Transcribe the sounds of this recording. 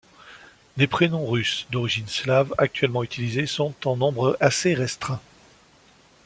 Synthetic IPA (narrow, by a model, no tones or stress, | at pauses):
lepχenɔ̃ʁysd̪ɔʁiʒinslavak̚t̪ɥɛlmɑ̃yt̪ʰilizesɔ̃t̪ɑ̃nɔ̃bʁaseʁɛst̪χɛ̃